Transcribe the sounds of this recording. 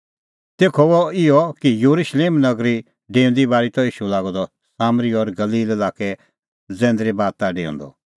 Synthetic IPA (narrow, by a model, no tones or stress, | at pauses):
t̪eːkʰɔɔɪɔkijuɾuʃleːmnɐɡɾi | ɖẽːʊ̃nd̪ibaːɾit̪ɔiːʃulaːɡɔ̃d̪ɔ | saːmɾiɔɾɡɐliːlɛlaːkɛ | d͡zɛ̃ːnd̪ɾibaːt̪ːaɖḛːṵ̃nd̪ɔ̰